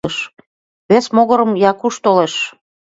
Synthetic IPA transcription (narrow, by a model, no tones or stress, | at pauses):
eʃ | βesmoɣɤ̆ɾəmjɑkuʃt̪oleʃ